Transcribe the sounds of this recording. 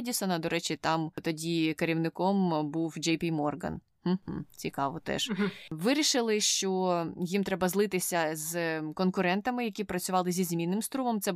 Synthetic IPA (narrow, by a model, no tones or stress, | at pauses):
dʲisɔnɐd̪ɔɾɛt͡ʃʲɪt̪ɑmt̪ɔdʲikɐɾʲiwnɪkɔmbuwd͡ʒɛjpʲimɔrɡɐ̰n | h̩ɦm̩t͡sʲikɑʋɔt̪ɛ̰ʒʋɪɾʲiʃɪlˠɪʃt͡ʃɔjimt̪ɾɛbɐzlˠɪt̪ɪsʲɐzkɔnkʊɾɛnt̪ɐmɪjɐkʲipɾɐt͡sʲʊʋɑlˠɪzʲizʲmʲinːɪmst̪ɾumɔmt̪sɛ